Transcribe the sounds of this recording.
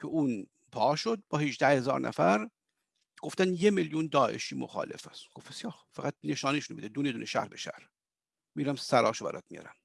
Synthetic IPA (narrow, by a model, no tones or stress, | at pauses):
cʰeʔuːn | pʰɒːʃod̪̚bɒːheʒd̪æhe̞zɒ̰ːɾnʔæ̰fæɾ | ɡ̥oft̪ænjemeljund̪ɒːʔḛʃiːmo̰xɑ̰ːle̞̰fæsɡ̥ofbesjɒːxfæɣæt̪̚neʃɒːniʃunbed̪ed̪uːned̪uːneʃæ̰hɾbeʃæ̰hɾ | miɾæmsæɾɒːʃobæ̰ɾɒ̰ːt̪̚mijɒ̰ːɾæm